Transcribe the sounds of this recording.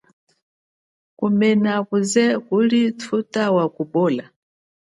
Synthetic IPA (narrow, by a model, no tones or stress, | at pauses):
kumɛnakuzɛkulitʰutawakubɔːla